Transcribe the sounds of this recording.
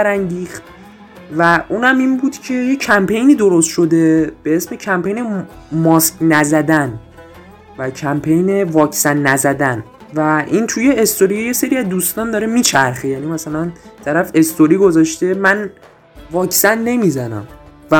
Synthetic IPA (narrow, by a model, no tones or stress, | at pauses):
bæɾæŋɟiːxt̪̚ | væʔuːnæminbuːd̪̥cʰe̞jecʰæmpʰe̞jniːd̪oɾost̪ʃo̞d̪e̞b̥e̞esme̞cʰæmpejnemɒscʲnæzæd̪æn | væcʰæmpʰejne̞vɒːcʰsænːæzæd̪æn | væʔint̪ʰuje̞ːst̪oɾije̞se̞ɾiæzd̪ust̪ɒːnd̪ɒːɾemiːt͡ʃʰæɾxejænimæsælænt̪ʰæɾæfe̞st̪oɾiːɡo̞zɒʃt̪e̞mæn | vɒːcsænːe̞mizænæ̰mvæ